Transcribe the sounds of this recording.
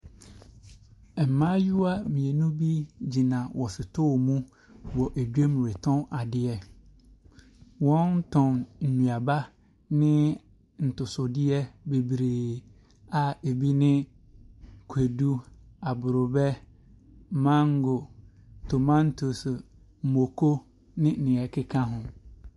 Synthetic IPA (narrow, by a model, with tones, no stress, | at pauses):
m̩˨mã˦ju˦a˦mĩ˨ɛ˨nũ˦bi˦d͡ʑi˨nã˨wʔɔ˨sɪ˨tʰʊ˦˨mũ˦ | wɔ˨ʔe˨d͡ʑᶣe˦mũ˨ɾe˨tʰɔ̃˦na˨dɪ˦ɛ˦ | wɔ̃˦n̩˦tʰɔ̃˨nn̩˨nũ˨a˨ba˦ | nɪ̃˦ | n̩˨tʊ˨sʊ˨dɪ˦ɛ˦be˨bɾeː˨ | a˨e˨bi˦nɪ̃˦ | kʰe˨du˦a˨bʊ˨ɾʊ˨bɛ˦ | mã˦ŋ˦ɡʊ˨ | tʰo˨mã˦n˦tʰo˨s | m̩˨mo˨kʰo˦ | nɪ̃˦nɪ̃˨ɛ˨kʰɪ˦kʰã˦ɦʊ̃˨